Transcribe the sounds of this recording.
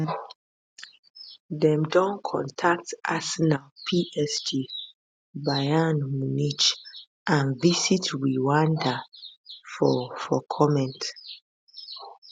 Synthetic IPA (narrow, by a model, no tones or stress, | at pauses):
ðɛ̃mdɔ̃nkʰɔ̰̃ntʰak̚tʔasɛnalpʰiʔɛsd͡ʒi | bajanmunit͡ʃ | ʔãnvisitwiwãnda | fɔfɔkʰɔmɛ̃nt